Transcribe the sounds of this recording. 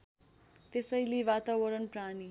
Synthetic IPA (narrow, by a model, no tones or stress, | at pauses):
t̪esʌjliʋat̪awʌɾʌnprani